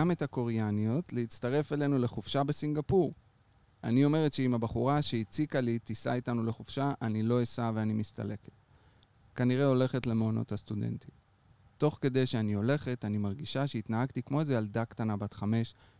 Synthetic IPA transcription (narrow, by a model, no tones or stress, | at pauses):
ame̞thako̞ʁejanijo̞tleit͡st̪aʁe̞fe̞le̞nule̞χufʃabe̞siŋɡapuʁ | a̰nio̞me̞ʁe̞tʃeimabaχuʁaʃeit͡sikalitisa̰itanule̞χufʃaʔanilo̞esaveanimist̪a̰le̞ke̥t | kaniʁeo̞le̞χe̞tle̞meono̞̰thast̪ude̞̰ntim | to̞χke̞d̪e̞jʃeanio̞le̞χe̞tanimaʁɡiʃaʃe̞it̪naɦaɡt̪ikmo̞ezealdakt̪anabatχame̞ʃ